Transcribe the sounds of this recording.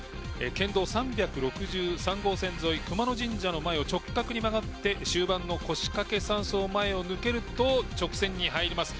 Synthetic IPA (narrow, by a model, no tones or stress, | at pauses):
ḛkẽ̞nd̪o̞ːsãmbʲakɯ̟ɾo̞kɯ̟ʑɨːsãŋɡo̞ːsẽ̞nzo̞ikɯ̟mano̞ʑĩɲd͡ʑano̞mae̞o̞t͡ɕo̞kːakɯ̟ɲ̟imaɡat̪ːe̞ɕɨːbãnːo̞ko̞ɕi̥kake̞sãɰ̃so̞ːmae̞o̞nɯ̟ke̞ɾɯ̟t̪o̞t͡ɕo̞kɯ̟̥sẽ̞ɲ̟ːiɦaiɾʲimasɨ̥